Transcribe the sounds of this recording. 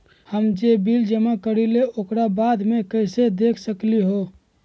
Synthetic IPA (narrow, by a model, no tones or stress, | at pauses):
həmd͡ʒebild͡ʒəmakəɾileʔokɾabaːd̪mekəɪsed̪eːkʰsəkliɦo